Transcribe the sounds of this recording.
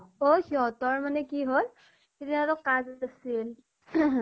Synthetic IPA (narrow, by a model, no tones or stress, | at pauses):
ohiɦɔtɔɹmanɛkiɦol | ediaɾɔkaztasil